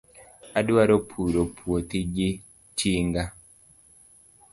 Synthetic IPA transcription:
aduaɾopʰuɾopʰuot̪iɟi | t͡ʃiːŋɡa

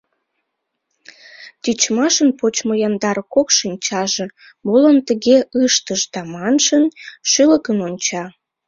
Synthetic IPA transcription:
t̪yt͡ɕmɑʃənpot͡ɕmojɑnd̪ɑɾkokʃinʲt͡ɕɑʒe̽ | molənt̪əɣeəʃt̪əʃd̪ɑmɑnʃənʃyləkənonʲt͡ɕɑ

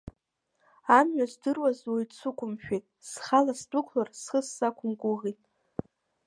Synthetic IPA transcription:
amɥazdɨrwazwejt͡sʰʊkʷʰʼʊmʃᶣejtʼsχalasdʼʊkʷʰlarsχəsːakʷʰʊmɡʷʼʊʁitʼ

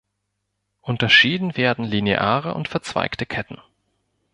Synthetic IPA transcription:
ʔʊntɐʃiːdn̩veːɐdn̩lineʔa̰ːʁə̰ʔʊ̰ntfɛɐt͡sv̥a̰ɪktəkʰɛtn̩

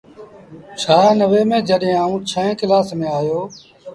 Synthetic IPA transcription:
t͡ʃʰaːnəʋeːmẽːd͡ʒəɗɦẽːaːũːt͡ʃʰəɦɛ̃ːkɪlaːsmẽːaːjoː

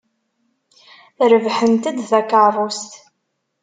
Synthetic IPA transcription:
θɾəvħənt̪əd̪θækəʕðˤost̪

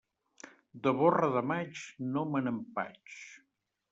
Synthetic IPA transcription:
d̪əβorəðəmat͡ʃnomənəmpa̰t͡ʃ

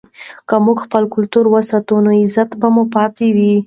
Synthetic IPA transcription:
kəmuɡxpəlkʊlt̪uɾwəsɑt̪unoɪzat̪bamupɑt̪ewi

